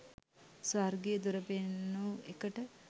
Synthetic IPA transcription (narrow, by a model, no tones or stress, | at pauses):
sarɡejəd̪uɾəpenːuːekəʈə